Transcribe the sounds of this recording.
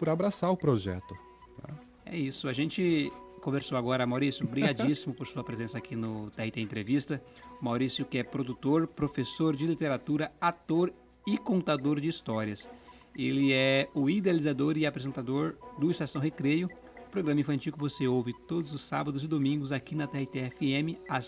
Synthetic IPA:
pʊɾabɾasaɾʊpɾoʒɛ̰t̪ʊ | nɛ̰̃ | ɛ̰isʊaʒẽnt͡ʃɪkõveɾsowaɡɔɾɐmawɾisjʊbɾiɡad͡ʒisimʊpoɾsuɐpɾezẽsɐakʰinʊt̪ɛhit̪eẽnt̪ɾevist̪ɐ | mawɾisjʊkɪɛpɾod̪ut̪oɾpɾofesoɾd͡ʒɪlit̪eɾat̪uɾɐat̪oɾ | ɪkõnt̪ad̪oɾd͡ʒɪist̪ɔɾiɐs | elɪɛʊid̪ealizad̪oɾɪapɾezẽnt̪ad̪oɾd̪ʊist̪asɐ̃w̃hekɾejʊ | pɾoɡɾɐ̃mɐĩfɐ̃nt͡ʃiwkɪvoseowvɪt̪od̪ʊzʊsːa̰bɐd̪ʊzɪd̪omĩŋɡʊzakinɐt̪ɛhit̪eɛfiẽmɪas

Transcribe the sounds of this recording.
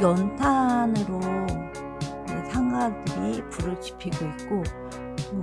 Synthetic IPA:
jʌntʰanɯɾo | esʰaŋɡadɯɾipuɾɯt͡ɕi̥pʰiɡoit̚k͈o

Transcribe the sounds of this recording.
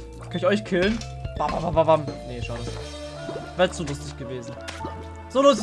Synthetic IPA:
kʰanɪçɔʏçkʰɪlən | v̥avavavavamneʃaʊdo | vɛːʁt͡suːlʊstɪçɡ̥əveːzn̩ | z̥oːlʊst

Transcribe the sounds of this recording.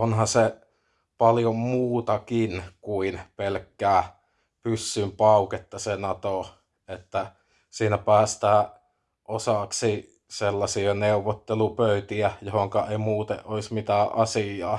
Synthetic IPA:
onhɑse | pɑljommuːt̪ɑkinkuinpelkːæː | pysːympɑˑuket̪ːɑsenɑt̪o | et̪ːæ | siːnæpæːst̪æː | ʔosɑksi | selːɑsiɑneuʋːot̪ːelupøˑyt̪iæjohoŋkɑeˑimuːt̪ḛʔʔoismit̪æːʔʔɑsijˑɑ̰ː

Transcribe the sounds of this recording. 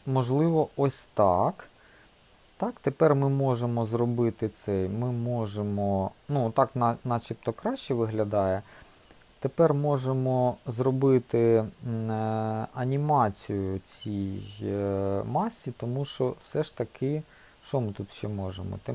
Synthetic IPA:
mɔʒlˠɪʋɔɔsʲt̪ɑk | t̪ɑkt̪epɛrmɪmɔʒemɔzɾɔbɪt̪ɪt̪sɛjmɪmɔʒemɔnut̪ɑknɑnɑt͡ʃip̚t̪ɔkɾɑɕt͡ʃɛʋɪɦlʲɐd̪ɑjɛ | t̪epɛrmɔʒemɔzɾɔbɪt̪ɪ | ɐnʲimɑt͡sʲijʊt͡sʲij | mɑsʲːit̪ɔmuʃt͡ʃɔwsɛʃt̪ɐkɪ | ʃt͡ʃɔmɪt̪ut̪ʃt͡ʃɛmɔʒemɔ̰t̪ɛ

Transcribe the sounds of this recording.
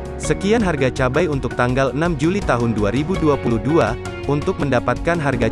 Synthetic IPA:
səkianɦarɡat͡ʃabajunt̪ʊk̚t̪aŋɡalənamd͡ʒulit̪aɦʊnduaɾibuduapuluhdua | unt̪ʊk̚məndapat̪̚kanɦarɡa

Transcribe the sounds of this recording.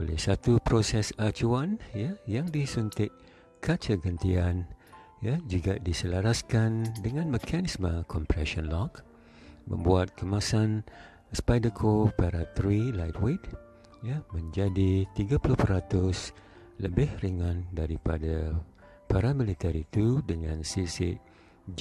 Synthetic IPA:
olɛ̰hsat̪upɾosɛsat͡ʃuanjajaŋdisunt̪ɪʔ̚ | kʰat͡ʃəɡənt̪ian | jad͡ʒuɡadisəlaɾaskandəŋãnməkʰanismə̃kʰɔmpɾɛʃɔ̃nlɔk | mə̰̃mbuat̪̚kʰəmãsan | spajdəkʰopaɾat̪ɾilajt̪wet̪ | jamə̃ɲd͡ʒadit̪iɡapulʊhpəɾat̪ʊs | ləbɪhriŋãndaɾipada | paɾamilit̪ɛɾit̪udəŋãnsisɪʔ

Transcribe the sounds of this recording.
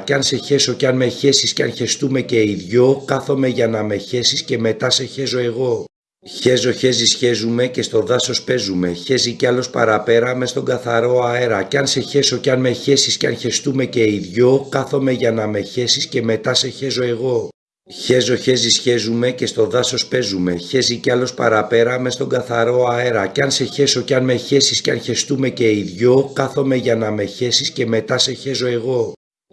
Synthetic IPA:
cɐnse̞çe̞so̞ceɐnmeçe̞sisceɐnçe̞st̪ume̞ce̞iðʝo̞kɐθo̞me̞ʝɐnɐme̞çe̞sisce̞me̞t̪ɐse̞çe̞zo̞e̞ɣo̞ | çe̞zo̞çe̞zisçe̞zume̞ce̞st̪o̞ðɐso̞spe̞zume̞çe̞ziceɐlo̞spɐ̰ɾɐpe̞ɾɐme̞st̪o̞ŋɡɐθɐɾo̞ɐeɾɐcɐnse̞çe̞so̞ceɐnmeçe̞sisceɐnçe̞st̪ume̞ce̞iðʝo̞kɐθo̞me̞ʝɐnɐme̞çe̞sisce̞me̞t̪ɐse̞çe̞zo̞e̞ɣo̞ | çe̞zo̞çe̞zisçe̞zume̞ce̞st̪o̞ðɐso̞spe̞zume̞çe̞ziceɐlo̞spɐ̰ɾɐpe̞ɾɐme̞st̪o̞ŋɡɐθɐɾo̞ɐe̞ɾɐceɐnse̞çe̞so̞ceɐnmeçe̞sisceɐ̰nçe̞st̪ume̞ce̞iðʝo̞kɐθo̞me̞ʝɐnɐme̞çe̞sisce̞me̞t̪ɐse̞çe̞zo̞e̞ɣo̞

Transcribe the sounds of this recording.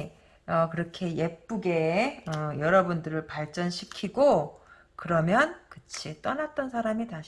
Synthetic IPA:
ʌkɯɾʌkʰe̞je̞p̚p͈uɡe̞ʌjʌɾʌbundɯɾɯɭpaɭt͡ɕ͈ʌnɕʰikʰiɡo | kɯɾʌmjʌnkɯt͡ɕʰit͈ʌnat̚t͈ʌnsʰaɾamitaɕ

